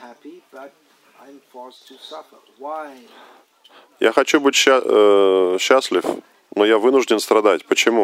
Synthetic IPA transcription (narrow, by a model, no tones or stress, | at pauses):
hæibt | aɪ̃mfɔtʰsʌfə˞waɪ | ja̰xɐt͡ɕubɨtʲɕ | ɕːasʲlʲɪf | nojavɨnʊʐdʲɪnst̪ɾɐd̪atʲpət͡ɕɪmu